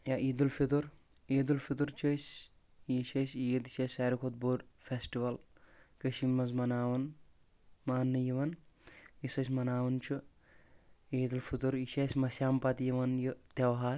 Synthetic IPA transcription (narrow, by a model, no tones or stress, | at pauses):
jaʔiːd̪ulfit̪̬uɾeːd̪ulfit̪uɾt͡ʃʰɐsʲ | iʃɐsʲied̪iʃɐsʲaːɾikʰot̪̚boːɖfesʈiʋɐlkɐʃimːɐzmɐnaːʋɐn | maːnːɨjiʋɐn | isɐsʲmɐnaːʋɐnt͡ʃʰu | eːd̪ulfʰit̪uɾiʃɐsʲmɐsʲjaːmpɐt̪jiʋɐnjit̪ɐʋɦaːɾ